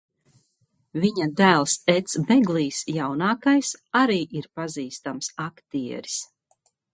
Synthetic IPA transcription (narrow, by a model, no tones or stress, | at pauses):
viɲad̪æːlˠsɛt̪sbɛɡliːsjawnaːkajsaɾiːʔiɾpaziːst̪amsakt̪iɛ̰ɾi̥s